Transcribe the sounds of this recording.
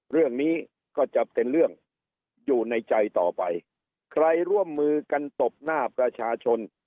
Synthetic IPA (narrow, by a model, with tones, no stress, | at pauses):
ɾɯ˥˩əŋniː˦˥ | kɔː˥˩t͡ɕa˨˩p̚t̪e˧nɾɯ˥˩əŋ | juː˨˩na˧jt͡ɕa˧jt̪ɔ̰ː˨˩pa˧j | kʰɾa˧jɾu˥˩əmːɯː˧ka˧nt̪o˨˩p̚naː˥˩pɾa˧t͡ɕʰaː˧t͡ɕʰo˧n